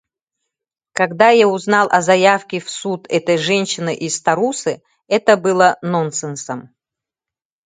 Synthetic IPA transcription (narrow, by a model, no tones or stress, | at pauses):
kaɡd̪ajauznalˠʔɐzɐjafkʲɪfsut̪ɛt̪əjʐɛnʲɕɪnɨʔist̪ɐɾusɨ | ɛt̪əbɨlˠənonsɨnsəm